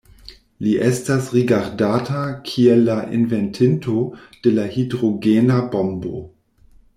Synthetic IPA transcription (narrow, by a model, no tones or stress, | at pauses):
liʔɛstasʁiɡaɾdaːtakʰiɛlːaʔinvɛntʰɪntʰod̥elahidʁoɡeːnabombo̰